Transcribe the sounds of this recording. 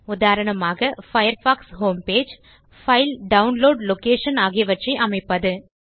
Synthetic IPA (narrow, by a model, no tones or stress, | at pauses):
ʊðaːɾɐɳɐmaːɣɐfɐjɐɾfaːksɦoːmpeːd͡ʒ | fɐɪlɖɐʊnloːɖlokeːʂɐnaːɣɪɐʋɐʈrɐɪʔɐmɐɪpːɐðɯ